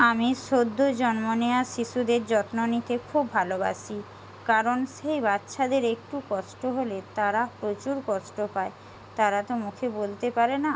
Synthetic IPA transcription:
amiʃod̪ʱːod͡ʑɔnmoneaʃiʃud̪eɾd͡ʑɔt̪nonit̪ekʰubʱaloba̰ʃi | kaɾonʃejbat̪ːʃʰad̪eɾek̚ʈukɔʃʈoɦolet̪aɾapɾot͡ɕuɾkɔʃʈopae | t̪aɾat̪omukʰebolt̪epaɾena

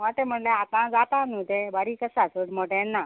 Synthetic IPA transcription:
at̪em̤əɽleat̪ãd͡zat̪anud̪ebaɾiːkəsat͡suɽmɔʈɛ̃nːa

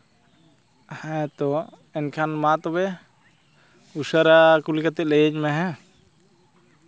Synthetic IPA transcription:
haɛt̪ɔ | ɛnkʰanmat̪ɔbɛ | usaɾakulikat̪ɛlejed͡ʒmɛɦɛ

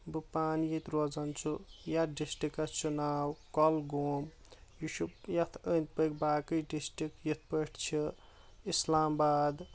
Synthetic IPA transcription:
bɨpaːnjit̪ɾod͡zɐnt͡ʃʰujaɖisʈikːat͡ʃunaːwkɔlɡoːm | jiʃujɐt̪ʰənt̪̚pəkbaːkəjɖisʈɾikjit̪ʰpəʈʰt͡ʃʰi | islaːmbaːd̪

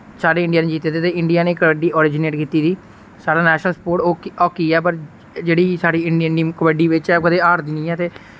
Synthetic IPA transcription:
saːɖeːɪ̃ɳɖiaːneːd͡ʒiːt̪eːd̪eːt̪eːɪɳɖijaːneːkəbəɖiːʔɔːɾɪːd͡ʒɪneːʈkiːt̪iːd̪iː | saːɽaːnɛːʃnəlsəpoːʈoːɔːkiːɛːp̬əɾ | d͡ʒeːɽiːsaːɽiːɪɳɖənimkəbəɖiːʋɪt͡ʃɛːoːkəd̪eːaːɾd̪iːnĩːɛːt̪eː

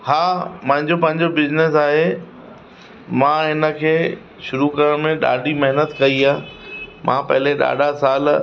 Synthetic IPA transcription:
haːmɐ̃ɦɪ̃ɲd͡ʑopɐ̃ɦɪ̃ɲd͡ʑobɪd͡ʑnɪsaːɦe | mãɦɪnə̆kʰeː | ʃʊɾukɐɾəɽ̃mẽɗa̰ːɖʱimɐɦɪnət̪kɐiaːmʔã̰pɐ̰ɦɪleɗa̰ːɗasaːl

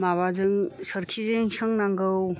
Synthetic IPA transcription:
maβazɯŋsəɾkʰizɯŋsʰɯŋnaŋɡɯw

